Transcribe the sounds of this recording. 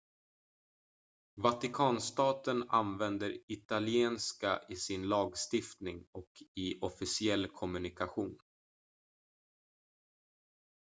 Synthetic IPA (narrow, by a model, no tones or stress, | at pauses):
vat̪ɪkʰɑːnst̪ɑːt̪əna̰nvɛnd̪əɾɪt̪alɪeːnska̰ʔɪsɪnlɑːɡst̪ɪft̪nɪŋɔkʰɪʔɔfɪsɪɛlːkʰɔmɵnɪkaɧuːn